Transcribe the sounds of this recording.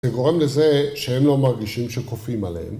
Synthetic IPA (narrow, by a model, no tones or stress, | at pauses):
zeɡo̞ʁemlezeʃehemlo̞maʁɡiʃimʃekofimalḛem